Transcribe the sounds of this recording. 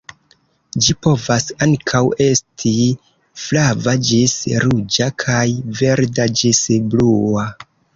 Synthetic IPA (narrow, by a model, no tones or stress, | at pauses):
d͡ʒipo̞vasaŋkʰawe̞stʰi | flavad͡ʒisɾud͡ʒakʰajve̞ɾdad͡ʒisblua